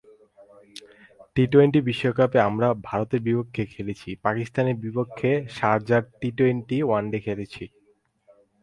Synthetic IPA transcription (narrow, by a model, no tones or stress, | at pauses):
ʈiʈoejɳʈibiʃːokapeamɾabʱaɾot̪eɾbipokʰːekʰelet͡ɕʰipakist̪aneɾbipokʰːeʃaɾd͡ʑaɾʈiʈojɳʈiwanɖekʰelet͡ɕʰi